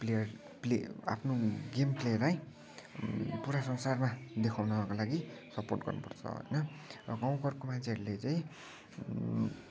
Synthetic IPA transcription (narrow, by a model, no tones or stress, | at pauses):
plejʌr | plea̰pʰnoɡemplejʌraj̃ | puɾasʌnsarmad̪ekʰawnʌbʱʌkolaɡisʌporʈɡʌ̰rnupʌ̰rt͡sʰʌ̰ɦʌ̰jnʌ | rʌɡaw̃kʌrkomant͡sʰeɦʌɾulet͡saĩ